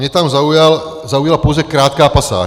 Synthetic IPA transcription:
ɲɛt̪amzaujal | zaujalapowzɛkɾaːt̪kaːpasa̰ː

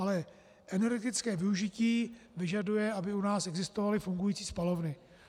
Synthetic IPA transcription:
alɛ | ʔɛnɛɾɡɛt̪ɪt͡skɛːvɪuʒɪciːvɪʒadujɛabɪunaːsɛɡzɪst̪ovalɪfuŋɡujiːt͡siːspalo̞vnɪ

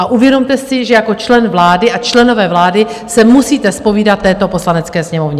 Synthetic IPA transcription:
ʔaʔuvjɛdo̞mt̪ɛsɪʒɛjako̞t͡ʃlɛnvlaːdɪʔat͡ʃlɛno̞vɛːvlaːdɪsɛmusiːt̪ɛspo̞viːdat̪ːɛːt̪o̞po̞slanɛt͡skɛːsɲɛmo̞vɲɛ

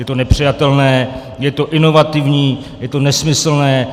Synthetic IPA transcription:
jɛt̪onɛpr̝̥ɪjat̪ɛlnɛː | jɛt̪o̞ʔɪno̞vat̪ɪvɲiː | jɛt̪o̞nɛsmɪsl̩nɛː

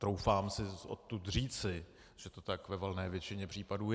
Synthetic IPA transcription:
t̪ɾowfaːmsɪʔo̰t̪ːut̪r̝iːt͡sɪ | ʒ̥ɛt̪o̞t̪akvɛvɛlnɛːvjɛt͡ʃɪɲɛpr̝̥iːpaduːj

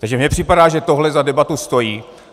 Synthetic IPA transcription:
t̪aɡʒɛmɲɛpr̝̥ɪpadaːʒɛt̪o̞ɦlɛzadɛbat̪ust̪o̞jiː

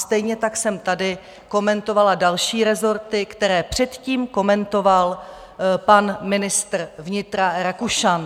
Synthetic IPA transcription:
st̪ɛjɲɛt̪aksɛmt̪adɪ | ko̞mɛnt̪o̞valadalʃiːɾɛzo̞ɾt̪ɪkt̪ɛɾɛːpr̝̥ɛt̪ciːmko̞mɛnt̪o̞val | panmɪnɪst̪r̩vɲɪt̪ɾaɾakuʃan

